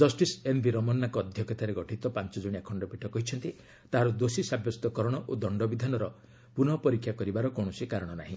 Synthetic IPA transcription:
d͡ʒɔsʈisenbiɾɔmɔnːakɔːd̪ʱjɔkʰɔt̪aɾeɡɔʈʰit̪ɔpant͡ʃɔd͡ʒoɽ̃iekʰɔɳɖɔpiʈʰɔkɔɦit͡ʃʰɔnt̪i | t̪aɦaɾɔd̪osisabjɔst̪ɔkɔɾɔɽ̃ɔʔod̪ɔɳɖɔbid̪ʱanɔɾɔ | punɔpɔɾikʰjakɔɾibaɾɔkoɽ̃ɔsikaɾɔɽ̃ɔnaɦĩ

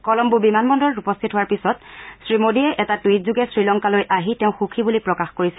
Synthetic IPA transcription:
kɔlɔmbubimanmɔndɔɹupɔst̪ʰitɦʊwaɹpisɔtsɹimodiɛʔɛtatuitzuɡɛsɹilɔŋkalojʔaɦitɛʊ̃xukʰibulipɹɔkaxkoɹisɛ

